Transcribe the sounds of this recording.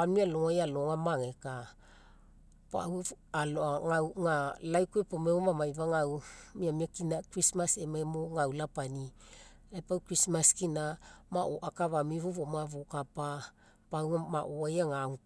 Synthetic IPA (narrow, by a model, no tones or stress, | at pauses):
amialoŋajaloŋamaŋeka | pa̰waloaŋawŋalajkuepomeomamajvaŋawmiamiakinakɾismasemaemoŋawlapani | ajpawkɾismaskinamaʔoʔakaβamivuvomavokapa | pawŋamaʔoajaŋaŋu